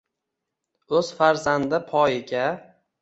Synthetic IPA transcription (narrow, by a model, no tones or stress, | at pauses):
ɵz̥faɾzand̪ɪpʰɒjɪɡʲa